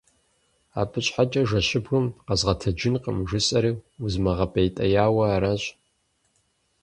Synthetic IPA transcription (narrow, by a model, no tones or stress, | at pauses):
a̰ːpʰɨɕʼħat͡ʃʼɐʒɐɕɪbɣɨmqɐzʁɐtʰɐd͡ʒɪnqə̰mʒɨsʼɐɾiːuzmɐʁɐpʼejtʼɐjaːwɐːɾɐɕʼ